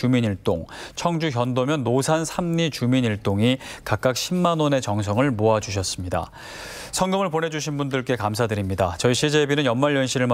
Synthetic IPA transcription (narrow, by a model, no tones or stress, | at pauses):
uminiɭt͈oŋt͡ɕʰʌŋd͡ʑuçjʌndomjʌnːosʰansʰamɲit͡ɕuminiɭt͈oŋikak͈ak̚ɕʰimːanone̞t͡ɕʌŋs̬ʰʌŋɯɭmoad͡ʑuɕ̬ʰʌs͈ɯmɲida̰ | sʰʌŋɡɯmɯɭpone̞d͡ʑuɕʰinbundɯɭk͈e̞kamsʰadɯɾimɲidat͡ɕʌiɕʰid͡ʑebinɯnjʌnmaɭjʌnɕʰiɾɯɭm